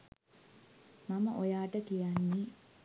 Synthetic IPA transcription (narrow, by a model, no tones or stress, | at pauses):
maməʔojaːʈəkijanːi